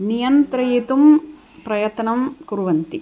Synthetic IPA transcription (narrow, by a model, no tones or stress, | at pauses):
nijɐnt̪ɾɐjet̪um | pɾɐjɐt̪nɐmkuɾuʋɐnt̪i